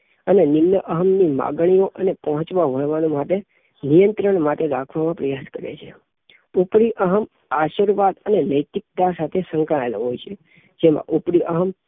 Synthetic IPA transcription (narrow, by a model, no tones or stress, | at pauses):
ənenɪmnəʔəɦəmnima̰ɡɽ̃ioʔənepəɦɔ̃t͡ʃʋaɦojʋanomaʈe | nijənt̪ɾəɳmaʈeɾakʰʋamãpɾəjaskəɾḛt͡ʃʰe | upɾiʔəɦəm | aʃiɾʋad̪ənenəjt̪ik̚t̪asat̪ʰesə̃ŋkãelɦojt͡ʃʰe | d͡ʒemã̰ʔupɾiʔəɦəm